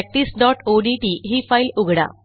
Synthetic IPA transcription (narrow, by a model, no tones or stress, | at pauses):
ɛk̚ʈ̪iːsɖɔʈoɖiʈiɦiːfailuɡʱɽa̰